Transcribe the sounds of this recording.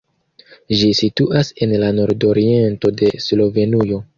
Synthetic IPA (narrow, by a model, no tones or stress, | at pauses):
ʒisituʔase̞nlano̞ɾdo̞ɾie̞nto̞de̞slo̞ve̞nujo̞